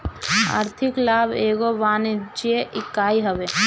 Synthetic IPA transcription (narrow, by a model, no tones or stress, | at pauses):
a̰ːɾt̪ʰɪklaːbʱeːɡoʋaːnid͡ʒijeʔɪkːaːiɦɐʋe